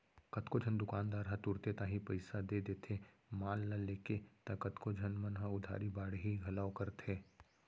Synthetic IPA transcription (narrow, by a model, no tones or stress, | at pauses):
kɐt̪kod͡ʒʱənd̪ʊkaːnd̪aːɾat̪ʊɾt̪et̪ãɦĩpɐɪsad̪ed̪eːt̪ʰe | maːlːɐleːket̪akɐt̪kod͡ʒʱɐnmɐnɦaʊd̪ʱa̰ːɾibaːɽɦiɡʱɐlaːokɐɾt̪eː